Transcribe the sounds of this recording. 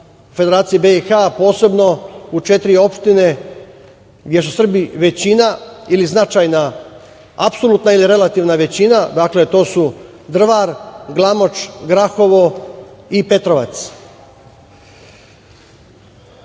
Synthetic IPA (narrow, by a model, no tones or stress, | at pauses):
fe̞d̪eɾaːt̪sijebeixapo̞ːse̞bno̞ut͡ʃe̞t̪ɾio̞pʃt̪ine̞ | ɡd̪je̞susr̩biʋe̞t͡ɕinailiznat͡ʃaːjna | apsolˠut̪nailiɾe̞lat̪iʋnaʋe̞t͡ɕinad̪akle̞t̪o̞ːsu | d̪r̩ʋaɾɡlˠamo̞t͡ʃɡɾaxo̞ʋo̞ipe̞t̪ɾo̞ʋa̰t̪s